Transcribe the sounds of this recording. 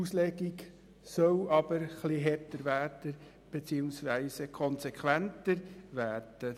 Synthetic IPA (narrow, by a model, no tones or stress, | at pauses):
uslɛɡiɡ | sœlɑb̥əɾχliɦɛtəɾvæːɾd̥ə | b̥et͡siːuŋsʋæɪsəkʰɔnsekχʋæntəɾvæːrd̥ə